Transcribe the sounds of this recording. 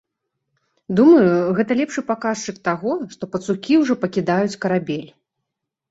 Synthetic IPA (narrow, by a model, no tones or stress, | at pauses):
d̪umɐjuɣɛt̪ɐlʲɛpʂɨpakaʂt͡ʂɨk̚t̪aɣɔʂt̪ɔpɐt̪sukʲiwʐɔpɐkʲid̪ajut͡sʲkɐɾabʲelʲ